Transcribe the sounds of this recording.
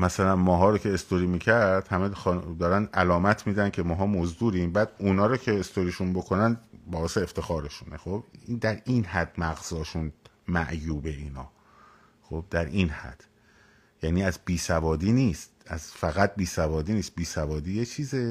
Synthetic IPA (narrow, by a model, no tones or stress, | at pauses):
mæsælænmɒːɦɒːɾocʰe̞ːst̪oɾiːmiːcʰæɾɾd̪̥hæmexd̪ɒːɾænd̪ʔælɒːmæt̪ʰmiːd̪æncʰemɒːɦɒːmozd̪uːɾimbæːd̪unɒːɾoːcʰeest̪oɾiʃunbo̞kʰo̞nænbɒːeseːft̪ʰe̞xɒːɾe̞ʃunexob̥ind̪æɾiːnhæd̪mæɣz̥ɒːʃun | mæ̰ʔjuːbe̞iːnɒ̰ː | xob̥̚d̪æɾʔiːnhæ̰d̪̥ | jæːniːæzbiːsævɒːd̪iːniːst̪̚æzfæɣæt̪̚biːsævɒːd̪iːniːst̪̚biːsævɒːd̪iːjet͡ʃʰiːze